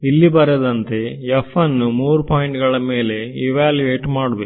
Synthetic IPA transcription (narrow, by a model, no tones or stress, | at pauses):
ilːibɐɾɐd̪ɐnt̪e̞epʰːɐnːumuːɾupaːjiɳʈɡɐɭɐme̞ːle̞iʋaːljueːʈmaːɽubek